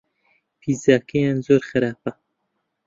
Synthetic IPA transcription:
pʰiːzaːkejaːnzoːɾxɨɾaːpa

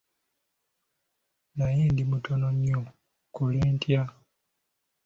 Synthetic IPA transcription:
najiːndimutonoɲːo | koleːntʰja

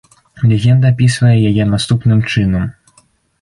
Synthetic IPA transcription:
lʲɛɣʲɛnd̪ɐːpʲisvɐjɛjajɛnast̪upnɨmt͡ʂɨnɐm

